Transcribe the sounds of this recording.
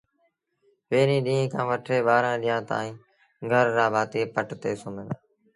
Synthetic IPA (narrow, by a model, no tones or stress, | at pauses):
ʋeːɾĩːɗĩːɦẽːkʰãːʋəʈʰeːɓaːɾãːɗiːãːt̪a̰ːĩː | ɡʱəɾːaːbʱaːt̪iːpəʈt̪eːsʊmɪnː